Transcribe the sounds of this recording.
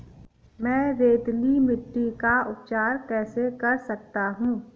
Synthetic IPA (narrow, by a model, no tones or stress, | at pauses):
mɛ̃ːɾeːd̪limɪʈːikaʊpt͡ʃaːɾkɛːsekɐɾsɐk̚t̪aɦũː